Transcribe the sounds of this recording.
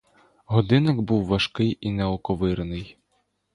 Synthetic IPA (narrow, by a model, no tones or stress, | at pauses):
ɦɔd̪ɪnɐɡbuwʋɐʃkɪjinɛɔkɔʋɪrnɪj